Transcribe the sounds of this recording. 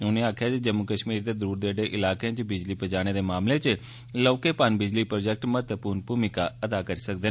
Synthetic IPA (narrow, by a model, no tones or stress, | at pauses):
ʊnẽːaːkʰjaːd͡ʒed͡ʒəmːukəʃmiːɾd̪eːd̪əɾuːɾd̪eːɖeːʔɪlaːkeãt͡ʃbɪd͡ʒliːpəd͡ʒaːɽ̃eːd̪eːmaːmleːt͡ʃ | lɔːkeːpaːnbɪd͡ʒliːpɾoːd͡ʒɛk̚ʈmət̪əpuːɾnpuːmɪkaːəd̪aːkəɾiːsək̚d̪e